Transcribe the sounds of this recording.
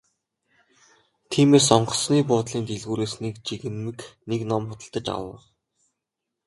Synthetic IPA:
t̪ʰiːmeːs̬ɔɴɢɞ̆sniːp̬ʊːt̪ɮiːnt̪eɮɣuːɾeːsnekt͡ɕiɣɘ̆nmɘ̆kneknɔmχʊt̪ə̆ɬt̪ə̆t͡ɕa̰wə̆χ

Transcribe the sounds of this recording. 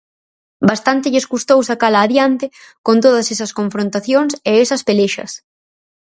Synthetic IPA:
bast̪ant̪ɪʎeskust̪owsakalaːðjant̪ɪkont̪oð̞ɐsesɐskoɱfɾõnt̪aθjoŋseesɐspeleʃɐ̰s

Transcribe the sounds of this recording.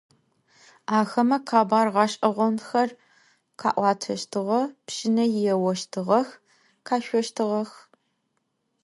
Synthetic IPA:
aːxɐmɐqʰaːbaːrʁɑːʃʼɐʁʷɔnxɐr | qʰa̰ːʔʷɑːtʰɐʃtʰɨʁɐpʃɪnɐjɪjɛwɐʃtʰɨʁɐx | qʰaːʃʷɔʃtʰɨʁɐx

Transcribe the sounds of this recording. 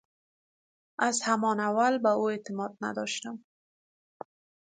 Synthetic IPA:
azhamɔnawalbaoet̪ɪmɔd̪̚na̰d̪ɔʃt̪am

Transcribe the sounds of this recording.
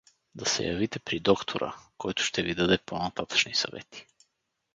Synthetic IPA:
d̪asɛ̰javit̪ɛpɾid̪ɔkt̪ʰoɾʔa̰kɔjt̪o̥ʃt̪ɛvid̪ad̪ɛponat̪at̪ḁt͡ʃnisa̰vɛ̰t̪i̥

